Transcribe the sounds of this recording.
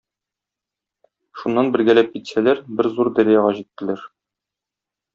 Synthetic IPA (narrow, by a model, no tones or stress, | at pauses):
ʃunːɑnbɘ̆ɾɡælæp̚kit̪sælæɾbɘɾzuɾd̪æɾijɑʁɑʑit̪ːɘ̆læɾ